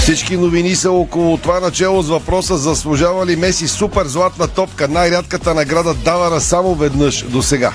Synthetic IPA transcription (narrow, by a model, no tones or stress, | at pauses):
fsit͡ʃkinovinisəɔkolˠot̪ovanɐt͡ʃɛlˠozvɐpɾɔsəzɐslˠʊʒavɐlimɛsisupɛɾzlˠat̪nɐt̪ɔpkənajɾʲat̪kət̪ənɐɡɾad̪əd̪avɐɾɐsamovɛd̪nɤʃd̪osɛɡa̰